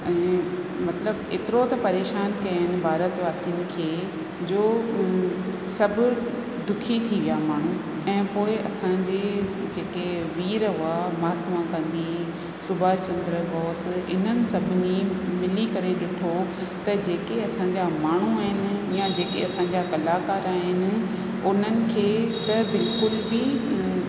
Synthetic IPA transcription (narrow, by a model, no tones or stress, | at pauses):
ɛ̃ː | mɐt̪ləbḛːt̪ɪɾot̪ɐpɐɾeːʃaːnkɐjɦɪnɪ̆bʱaːɾət̪ʋaːsinɪ̆kʰeː | d͡ʑoː | sɐbʱʊ | d̪ʊkʰit̪ʰiʋijamaːɳ̤u | ɛ̃ːpoːɪʔɐsãd͡ʑed͡ʑeːkeʋiːɾɦʊamaːt̪mãkɐ̃nd̪i | sʊbʱaːt͡ɕɐ̃nd̪ɾəbɔːsɪn̤ənɪ̆sɐbʱɪnimɪlikɐɾeɗɪʈʰot̪ɐd͡ʑeːkeɐsãɲd͡ʑamaːɳ̤uaːɦɪnɪ̆jad͡ʑeːkḛɐsãɲd͡ʑakɐlaːkaːɾaɦɪnɪ̆ | ʊn̤ənɪ̆kʰeːt̪ɐbɪlkʊlbɪ